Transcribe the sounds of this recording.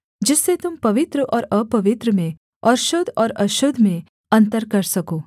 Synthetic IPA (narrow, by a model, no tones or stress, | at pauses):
d͡ʒɪsːet̪ʊmpɐʋɪt̪ɾəʔɔːɾəpɐʋɪt̪ɾəmẽ | ɔɾʃod̪ʱɔːɾɐʃod̪ʱmẽ | ɐnt̪əɾkɐɾsɐkoː